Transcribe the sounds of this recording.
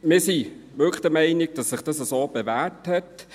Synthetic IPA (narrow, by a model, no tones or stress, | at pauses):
mɪːsiʋʏklə̥χd̥əmɛɪnɪɡ̚d̥ɑsːɪχd̥ɑsəsoːb̥evæːthɛt